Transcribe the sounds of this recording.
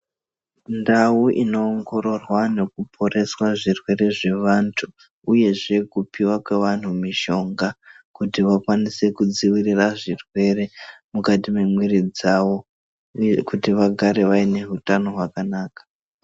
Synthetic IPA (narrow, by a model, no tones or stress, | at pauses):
ndawuʔino̞ːŋɡo̞ɾo̞rwane̞kupʰo̞ɾe̞swaʐirwe̞ɾe̞ʐe̞ʋantʰu | uje̞ʐe̞kupiwakwe̞ʋan̤umiʃo̞ŋɡa | kutiʋakwanise̞kud͡ziwiriraʐirwe̞re̞mukatime̞mwiɾid͡zaʋo̞ | kutiʋaɡʱaɾe̞ʋaine̞ɦutano̞ɦwakanaːkḁ